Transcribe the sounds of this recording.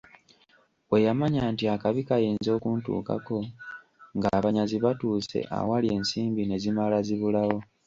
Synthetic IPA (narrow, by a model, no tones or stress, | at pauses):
we̞jamaɲaːntiakaβikajiːnzo̞ːkuntṵːka̰ko̞ | ŋɡaβaɲaziβatuːse̞̰ʔa̰walie̞ːnsiːmbine̞zimalaziβulawo̞